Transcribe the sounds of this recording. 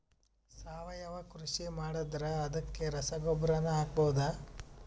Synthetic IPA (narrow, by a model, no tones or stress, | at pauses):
saːʋɐjɐʋɐkɾuʃimaːɽɐd̪ɾɐɐd̪ɐkːeɾɐsɐɡɔbɾanɐaːɡ̚bowud̪ɐ